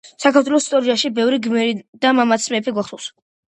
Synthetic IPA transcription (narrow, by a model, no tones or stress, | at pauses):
sakʰaɾt̪ʰwɛlɔsi̥st̪ʼɔɾiaʃibɛvɾiɡmɛɾid̪amamat̪smɛːpʰiɡwaχt̪ulˠs